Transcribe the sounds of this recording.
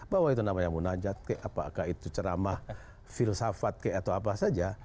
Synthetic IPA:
bawait̪unamaɲamunad͡ʒat̪̚kajʔapa̰kahit̪ut͡ʃəɾamah | filsafat̪̚kajat̪awap̬asad͡ʒa

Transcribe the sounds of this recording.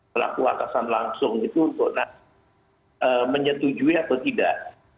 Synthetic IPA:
əla̰kua̰kasanlaŋsʊŋɡit̪uːnt̪ʊk̚nah | ʔəːməɲət̪ud͡ʒuiat̪awt̪idaʔ

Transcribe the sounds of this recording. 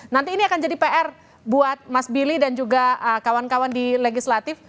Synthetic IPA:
nant̪iːniakand͡ʒadipeʔɛr | buat̪̚masbilidand͡ʒuɡaəkawankawandileɡislat̪ɪf

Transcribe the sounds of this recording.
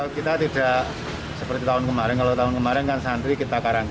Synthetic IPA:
kit̪at̪id̥a̤ʔ | səpərt̪it̪aʊnkəmaɾɪnkalot̪aɦʊnkəmaɾɪnkansand̪ɾikit̪akaɾaŋ

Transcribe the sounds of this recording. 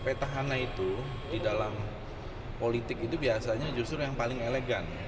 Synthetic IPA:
pat̪aɦanait̪u | didalam | polit̪ɪkit̪ubiasaɲad͡ʒust̪ɾʊjaŋpalɪŋeleɡan

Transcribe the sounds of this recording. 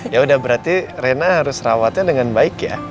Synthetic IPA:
jaudahbəɾart̪irenaɦaɾʊsrawat̪ɲadəŋanbaɪkja̰

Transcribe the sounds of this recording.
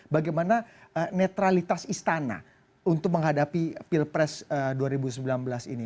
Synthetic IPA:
baɡajmanaənet̪ɾalit̪asist̪ana̰ | unt̪ʊk̚məŋɦadapifilpɾɛsəduaɾibusəmbilanbəlasḭni

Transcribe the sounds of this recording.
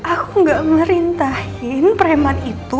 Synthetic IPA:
ʔakuŋɡaʔməɾint̪ahɪnpəɾɛmanit̪u

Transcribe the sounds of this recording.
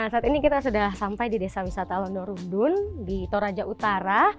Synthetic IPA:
asaːt̪inikit̪asudahsampajdidesawisat̪alɔndɔɾundʊndit̪oɾad͡ʒaʔut̪aɾa

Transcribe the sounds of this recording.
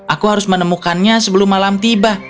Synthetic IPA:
ʔakuɦaɾʊsmənəmukanɲasəbəlʊmːalamt̪iba

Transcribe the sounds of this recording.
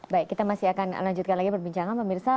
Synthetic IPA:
baikːit̪amasiakanlaɲd͡ʒut̪̚kanlaɡipərbiɲt͡ʃaŋanpəmirsa

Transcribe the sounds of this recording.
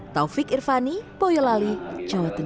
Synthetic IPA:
t̪aufɪkirfanipɔjɔlali̥d͡ʒawat̪ə

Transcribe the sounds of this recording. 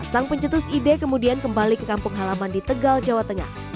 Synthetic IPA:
asaŋpəɲt͡ʃət̪ʊsidekəmudiankəmbalikəkampʊŋɦalamandit̪əɡald͡ʒawat̪əŋa̰h

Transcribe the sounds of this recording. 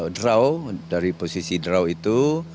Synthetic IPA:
dɾawdaɾiposisidɾawit̪u

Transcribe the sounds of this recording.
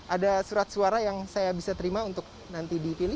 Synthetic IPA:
ʔadasuɾat̪̚suaɾajaŋsajabisat̪əɾimaunt̪ʊk̚ | nant̪idipilɪ

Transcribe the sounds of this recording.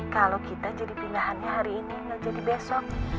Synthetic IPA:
kalokit̪ad͡ʒadipinaɦanɲaɦaɾiːnilad͡ʒadibɛsɔk̚

